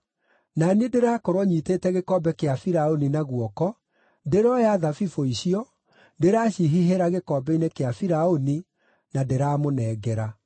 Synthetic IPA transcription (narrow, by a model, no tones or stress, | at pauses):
naniedeɾaːkoɾwɔɲiteːtɛɣekɔbɛkeafiɾaoninaɣwɔkɔ | deɾɔjaðafifoiɕiɔ | deɾaːɕiɦiɦeɾaɣekɔːbɛinekeafiɾaoni | nadeɾaːmonɛːɡɛɾa